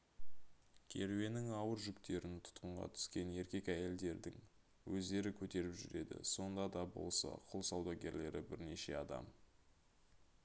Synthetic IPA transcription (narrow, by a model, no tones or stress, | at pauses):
kʲʰe̞̰ɾwe̞nɪŋɑwəɾʒʏkt̪e̞ɾɪnt̪ʰʊ̥t̪qəɴʁɑ̰t̪ʰʏ̥skʲe̞ne̞ɾkʲe̞kæje̞ld̪e̞ɾd̪ɪ̰ŋ | wɵzd̪e̞ɾɪkʲʰɵt̪e̞ɾɪpʒʏ̰ɾe̞̰d̪ɪ̰so̞nd̪ɑd̪ɑbo̞̰lˠsɑ̰qʰʊlˠsɑwd̪ɑɡʲe̞ɾle̞ɾɪbɪɾne̞ʃe̞̰ɑd̪ɑ̰m